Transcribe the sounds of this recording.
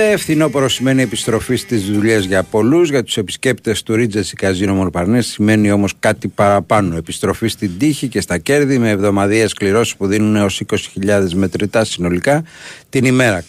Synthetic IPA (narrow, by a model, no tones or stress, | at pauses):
eefθino̞poɾosime̞nie̞pist̪ɾo̞fist̪izðuʎezʝɐpo̞luzʝɐt̪u̥se̞pi̥sce̞pt̪e̞st̪uɾid͡zesi̥kɐzinomonpɐɾnessime̞nio̞mo̞skɐt̪ipɐɾɐpɐno̞e̞pist̪ɾo̞fist̪ind̪içice̞st̪ɐce̞ɾðime̞ːvðo̞mɐðieskliɾo̞si̥spuðinuneo̞siko̞si̥çiʎɐðe̞zme̞t̪ɾit̪ɐsino̞likɐt̪inime̞ɾɐ